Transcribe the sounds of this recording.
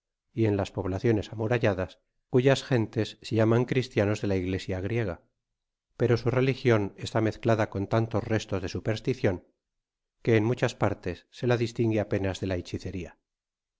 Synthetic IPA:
ie̞nlaspo̞βlaθjo̞ne̞samuɾaʝaðas | kuʝasxe̞nt̪e̞sːʝamaŋkɾist̪jano̞zðe̞laiɣle̞sjaɣ̞ɾje̞ɣa | pe̞ɾo̞sure̞lixjo̞ne̞st̪ame̞θklaðako̞nt̪ant̪o̞sre̞st̪ozð̞e̞supe̞ɾst̪iθjo̞ŋ | ke̞ːnmut͡ʃaspaɾt̪e̞sːe̞laðist̪iŋɡeape̞nazðe̞lajt͡ʃiθe̞ɾia

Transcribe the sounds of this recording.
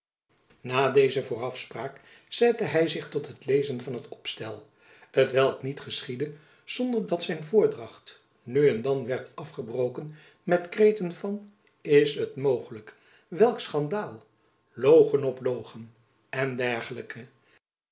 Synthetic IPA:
naːdejzəvʊːrɑfspraːk | z̥ɛtəɦɛjzɪχtɔtɦətlejzənvɑnɦətɔpstɛlˠ | ɦətʋɛlˠknitχəsχidə | z̥ɔndəɹdɑtsɛjnvʊːɹdrɑχt | nyɛndɑnʋɛɹtɑfχəbrowkən | mɛtkrejtənvɑn | ɪsɦətmowχələk | ʋɛlˠksχɑndaːlˠ | lowχənɔplowχən | ɛndɛɹχələkə

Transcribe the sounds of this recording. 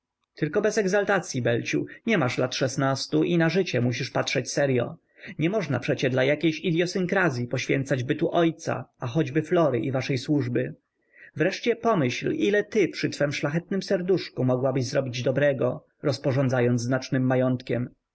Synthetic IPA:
t̪ɘlkɔbɛzɛɡzalt̪at̪sʲjibɛlt͡ɕṵɲɛmaʂlat̪ʂɛsnast̪uʔinaʐɘt͡ɕɛmuɕiʂpatʂɛt͡ɕsɛɾjɔ̰ | ɲɛmɔʐna̰pʂɛt͡ɕɛd̪lajakʲejɕid̪ʲjɔsɘŋkɾazʲjipɔɕfʲjɛnt̪sad͡ʑbɘt̪uʔɔjt̪sa̰axɔd͡ʑbɘflɔɾɘ̰ʔivaʂɛjswuʐbɘ | vɾɛʂt͡ɕɛpɔmɘɕlilɛt̪ɘpʂɘt̪fɛmʂlaxɛt̪̚nɘmsɛɾd̪uʂkumɔɡwabɘʑzɾɔbʲid͡ʑd̪ɔbɾɛɡɔ | ɾɔspɔʐɔnd̪zajɔnt̪znat͡ʂnɘmːajɔnt̪kʲɛm

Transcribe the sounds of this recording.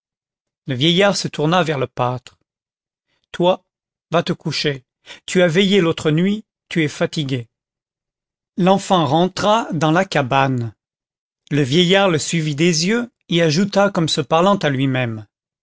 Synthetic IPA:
ləvjɛjaʁsət̪uʁnavɛʁləpat̪χ | t̪wa | vat̪əkuʃe | t̪yavɛjelot̪χənɥi | t̪yɛfat̪iɡʲe | lɑ̃fɑ̃ʁɑ̃t̪χad̪ɑ̃lakaban | ləvjɛjaʁləsɥivid̪ezjø | eaʒut̪akɔmsəpaʁlɑ̃t̪alɥimɛm

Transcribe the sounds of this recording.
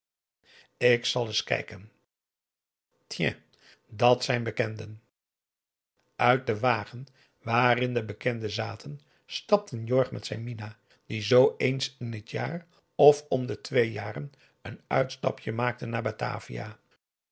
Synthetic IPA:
ɪksɑlˠɪskɛ̰jkən | tʰjɛ̰̃ | dɑtsɛjnbəkɛndən | ʔœɥt̚dəʋaːχən | ʋaːrɪndəbəkɛndəzaːtʰən | stɑp̚tənjɔɹχmɛtsɛjnmina | d̥izowejnsɪnətja̰ːr | ɔfɔmdətʋejjaːrən | ənœ̰ɥtstɑ̰pʰjəmaːk̚tənaːɹbata̰ːvḭja̰

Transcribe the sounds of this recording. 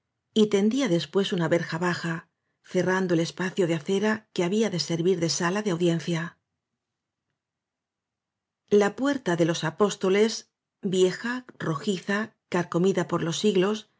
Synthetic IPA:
it̪e̞nd̪iaðe̞spwe̞sunaβe̞ɾxaβaxa | θerand̪o̞ele̞spaθjo̞ð̞eaθe̞ɾake̞aβiaðe̞se̞ɾβiɾðe̞salaðeawðje̞n̟θja | lapwe̞ɾt̪aðe̞lo̞sapo̞st̪o̞le̞z | bje̞xaro̞xiθakaɾko̞miðapo̞ɾlo̞sːiɣlo̞s

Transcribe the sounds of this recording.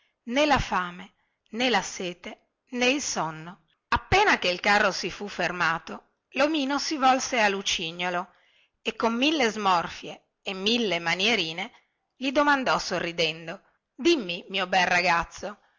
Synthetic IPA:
nelafaːme | nelaseːt̪e | neilsɔnːo | apːeːnakeilkarːosifufːermaːt̪o | lomiːnosivɔlsealːut͡ʃiɲːolo | ekːomːilːezmɔrfjeː | mːilːemanjeɾiːne | ʎid̪omand̪ɔsorːid̪ɛnd̪o | d̪imːimiːobɛlraɡat̪sːo

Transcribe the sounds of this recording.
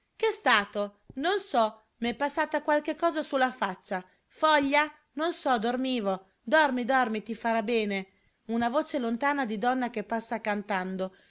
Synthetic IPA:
kest̪aːt̪o | nonsɔ | mɛpːasːaːt̪akwalkekːɔːzasulːafat͡ʃːa | fɔʎːa | nonsɔd̪ormiːvo | d̪ɔrmid̪ɔrmit̪ifaɾabɛːne | unavoːt͡ʃelont̪aːnad̪id̪ɔnːakepːasːakant̪and̪o

